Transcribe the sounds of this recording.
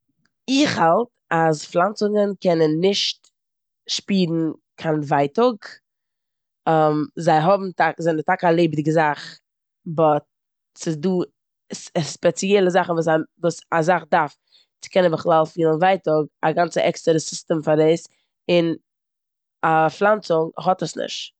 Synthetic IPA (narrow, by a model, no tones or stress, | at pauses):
ɪχhalˠt | asflˠant͡sʊŋənkʰɛnənːɪʃt | ʃpiːdn̩kʰanvaɪtʊɡ | ɛmzaɪɦɔbm̩takzɛntakalˠeɪbdɪɡəzaχ | bɔt | sɪsduː | sspɛt͡sjɛlˠəzaχn̩vuːs̬avuːsazaχdaɾf | t͡sɪ̥kɛnəbəχlˠalˠfiːlˠənvaɪtʊɡaɡant͡səʔɛkstəɾəsɪstɛmfaɾdeɪs | ɪn | aflˠant͡sʊŋɦɔtəsnɪ̰ʃt